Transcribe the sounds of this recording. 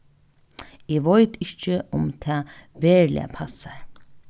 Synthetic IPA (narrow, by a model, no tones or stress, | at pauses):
ɪːʋɔʏt̪ɪht͡ʃəʊmt̪ʰɛːʋɛːɹlɪ̰a̰pʰasaɹ